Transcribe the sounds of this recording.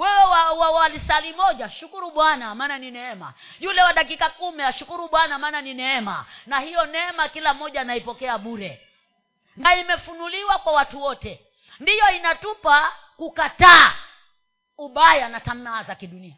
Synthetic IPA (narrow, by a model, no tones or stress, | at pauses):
wɛwɛwawawalisalimɔʄaʃukuɾuɓwanamaːnaninɛɛma̰ | julɛwaɗakikakumiaʃukuɾuɓwanamaːnaninɛɛma̰nahijɔnɛɛmakilam̩ːɔʄaːnaipɔkɛaɓuɾɛ | naimɛfunuliwakwawatuwɔtɛ | ndijɔinatupa | kukataː | uɓajanatam̩naːzakiɗunia